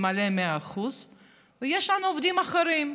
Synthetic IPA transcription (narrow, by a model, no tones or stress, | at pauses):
malemeaaxuz | vejeʃlanuovd̪imaχeɾim